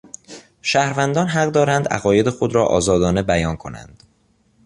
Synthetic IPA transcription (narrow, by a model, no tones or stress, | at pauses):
ʃæːhɾvænd̪ɒːnɦæɢd̪ɒːɾænd̪æ̰ɣɒːje̞d̪exod̪ɾɒːʔɒ̰ːzɒːd̪ɒːne̞bæjɒːnkʰo̞næ̰nd̪̥